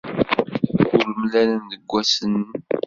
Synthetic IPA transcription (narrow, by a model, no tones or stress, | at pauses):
ʊɾmlænənðəɡʷːæsən